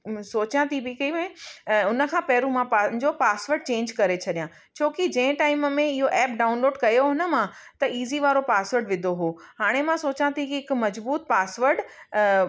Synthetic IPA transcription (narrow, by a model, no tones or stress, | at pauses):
soːt͡ɕãt̪ʰibikɐimẽʊnə̆kʰãpɛːɾũmãpăd͡ʑoːpaːsʋəɾɖ̚t͡ɕẽːɲd͡ʑkɐɾet͡ɕʰɐɗijã | t͡ɕʰoːkid͡ʑɐ̃ɪ̃ʈaːɪməmẽɪɦoʔɛːp̚ɖaːʊ̃nloːɖkɐjoɦʊnə̆mã | t̪ɐiːziʋaːɾopaːsʋəɾɖʋɪd̪ʱoɦoːɦaːɽ̃emãsoːt͡ɕãt̪ʰikiɪkmɐzbuːt̪̚paːsʋəɾɖ